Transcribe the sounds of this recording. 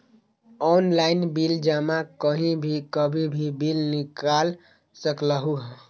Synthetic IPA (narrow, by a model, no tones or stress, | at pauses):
ɔnlaɪnbild͡ʒamakəɦĩbʱikəbʱibʱibilnikal | səkləɦuɦ